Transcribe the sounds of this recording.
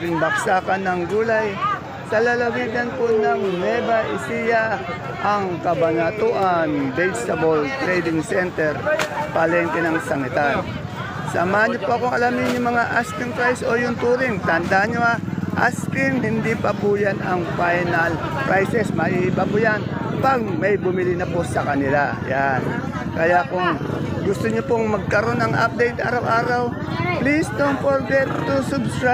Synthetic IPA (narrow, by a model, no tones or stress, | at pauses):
ɾɪmbaksaːkanːɐŋɡuːlaj | sɐlɐlɐwiɡɐnponɐŋnɛbaʔɪ̰sija | ʔɐŋkɐbanat̪ʊʔanbɛd͡ʒsɐbolt̪ɾɛjd̪ɪŋsɛnt̪ɛɾpɐlɛnt̪ɛnɐŋsɐnɪt̪aɾ | samaɲopʊʔɐkoŋɐlamɪnjʊŋmɐŋaʔaskɪŋpɾajsojʊnt̪uːɾɪŋt̪ɐnd̪aɲoaʔa̰skɪŋhɪnd̪ipɐpʊjanɐŋfajnɐlpɹʔajsɛsmɐʔiʔɪbapʊjanpɐɡ̚mɐjbʊmɪlɪnɐposɐkɐnɪlajan | kɐjakʊŋɡʊst̪oɲopoŋmɐɡ̚kɐɾo̞nɐŋʔa̰p̚d̪ɛjt̪̚a̰ːɾɐwʔaːɾaw | plisd̪oŋpoɾɡɛt̪t̪ːʊsʊbskɾa